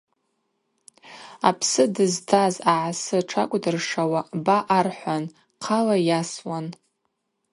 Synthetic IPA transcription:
a̰pʰsɨdɨztʰazaʕasɨʈ͡ʂʰakʷʼdɨrʂawabaʔːrħʷan | qʰalajaswan

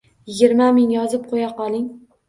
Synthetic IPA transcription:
jɪɡʲɪɾmamɪŋjɒzɪp̚qʰojaqɒlˠɪŋ

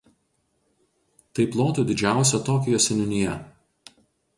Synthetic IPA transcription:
t̪ɐɪplˠoːt̪uːd̪ʲɪd͡ʒʲæˑʊsʲoːt̪oːkʲɪjoːsʲɛnʲʊnʲɪjɛ

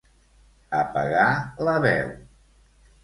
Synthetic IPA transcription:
əpə̰ɣaləβɛw

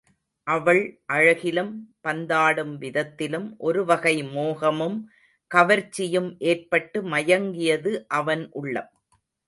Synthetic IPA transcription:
ʔɐʋɐɭʔɐɻɐɣɪlɯmpɐnd̪aːɽɯmʋɪðɐt̪ːɪlɯmʔɔɾɯʋɐɣɐɪmoːɣɐmɯm | kɐʋɐɾt͡ʃːɪjɯmʔeːrpɐʈːɯmɐjɐŋɡɪjɐðɯʔɐʋɐnʔʊɭːɐ̰

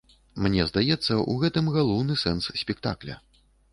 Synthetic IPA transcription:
mnʲɛzd̪ajɛt̪sːɐʔṵɣɛt̪ɨmɣalˠɔwnɨsɛnssʲpʲik̚t̪aklʲɐ̰

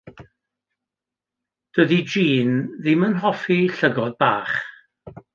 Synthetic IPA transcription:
d̥əðid͡ʒiːnðɪmənɦɔfiɬəɡɔðbaːχ

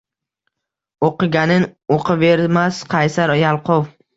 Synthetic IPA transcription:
oqɨɡʲanɪnoqʰɨve̞ɾmasqʰɑjsaɾjalˠqʊw

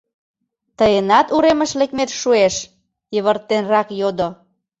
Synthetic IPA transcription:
t̪əjenɑt̪uɾemə̆ʃlekmet̪ʃueʃ | jəβərt̪ːenrɑkjod̪o

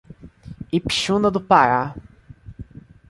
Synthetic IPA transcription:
ipi̥ʃũnɐd̪ʊpaɾa

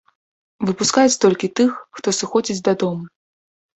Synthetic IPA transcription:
vɨpuskajɛt̪st̪ɔlʲkʲit̪ɨxːt̪ɔsɨxɔd͡zʲid͡zʲd̪ɐd̪ɔmu

